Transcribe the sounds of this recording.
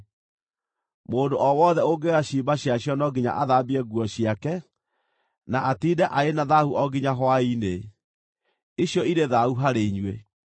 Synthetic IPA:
moːndoʔɔwɔðɛoɡeɣaɕibaɕjaɕjɔnɔɡiɲa̰ʔaðabiɛɡuɔɕiakɛ | naʔatiːdɛʔaenaðahuʔɔɡiɲaɦwaine | iɕjɔiɾeðauɦaɾeɲwe

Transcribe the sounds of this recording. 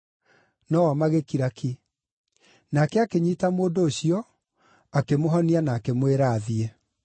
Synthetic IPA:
nɔɔmaɣekiɾakʰi | nakɛakeɲiːtamoːndoːɕiɔ | akemoɦɔnianaːkemweɾaːðiɛ

